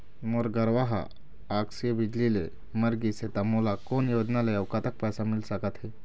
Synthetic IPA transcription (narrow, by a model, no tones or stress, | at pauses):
moɾɡəɾʋaɦa̰ | aksijəbid͡ʒlile | məɾɡiset̪amolakonjoːd͡ʒnalajəwkat̪ək̚pəjsamilsəkət̪ɦe